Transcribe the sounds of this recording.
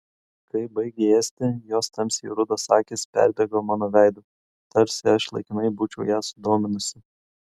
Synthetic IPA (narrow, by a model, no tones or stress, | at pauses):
kɐɪbɐɪɡʲeeːsʲt̪ʲɪjoːst̪ɐmʲsʲḭɾʊd̪osɑːkʲeːspʲæ̰ˑɾʲd̪ʲɛɡoːmɑːnoːʋʲæˑɪd̪ʊ | t̪ɐɾʲsʲɪɐʃlˠɐ̰ɪkʲɪnɐɪbuːt͡ʃʲɛʊjæːsʊd̪oːmʲɪnʊsʲɪ